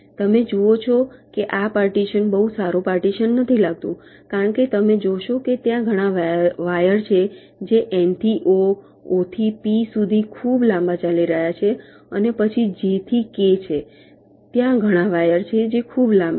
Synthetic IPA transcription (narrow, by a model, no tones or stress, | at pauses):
t̪əmed͡ʒuot͡ʃʰɔkeʔapaɾʈiʃənbəɦusaɾopaɾʈiʃənːət̪ʰilaɡ̚t̪ũkaɾəɳket̪əmed͡ʒoʃoket̪jãɡʱəɽ̃ãʋʋajəɾt͡ʃʰe | d͡ʒeʔɛnt̪iʔo | ot̪ʰipisud̪ʱikʰublãmbãt͡ʃaliɾəɦjat͡ʃʰe | ənepət͡ʃʰid͡ʒet̪ʰiket͡ʃʰe | t̪jãɡʱəɽ̃aʋajəɾt͡ʃʰed͡ʒekʰublãmba